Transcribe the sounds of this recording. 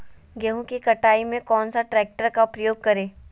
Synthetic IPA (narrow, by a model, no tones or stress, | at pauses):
ɡɛɦũkikɐʈaːimẽkɔːnsaʈɾɛːk̚ʈəɾkapɾɐjoːɡ̚kɐɾẽː